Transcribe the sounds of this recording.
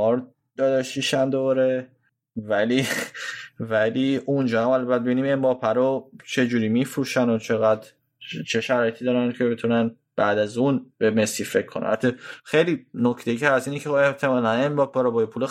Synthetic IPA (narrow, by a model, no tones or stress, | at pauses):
ɒɾ | d̪̥ɒd̪eʃiʃænd̪oɾe | væli | væliʔund͡ʒɒːhamælbæt̪̚bebinimenbɒːpʰæɾot͡ʃʰe̞d͡ʒuːɾiːmifɾuːʃænot͡ʃʰe̞ɣæd̪ | t͡ʃʰe̞ʃæɾɒːje̞t̪ʰiːd̪ɒːɾæncʰe̞be̞t̪ʰunæn | b̥æːd̪æzunb̥emesife̞kʰːonæ̰na̰t̪ʰːexejlinocʰt̪e̞jicʰeæsiːnecʰeoe̞ht̪ʰe̞mɒːlænenbɒpʰɒɾɒbɒːjepʰule